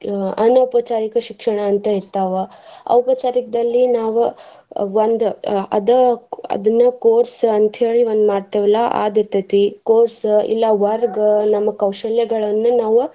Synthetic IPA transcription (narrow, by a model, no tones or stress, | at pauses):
ɐnɐupɐt͡ʃaːɾikɐʃikʂɐɳ̃ɐːnt̪ɐiɾt̪aːʋɐ | ɐ̰wpɐt͡ʃaːɾikɐd̪ɐlːinaːʋu | ʋond̪uɐ̰d̪ɐɐ̰d̪ɐnːɐkoːɾsɐnt̪ɦeːɭiʋond̪maːɖt̪ɐʋɐlːɐʔa̰ːd̪iɾt̪ɐt̪ikoːɾsḭlːɐʋɐɾɡnɐmːɐkɐwʃɐljɐɡɐɭɐnːunaːʋu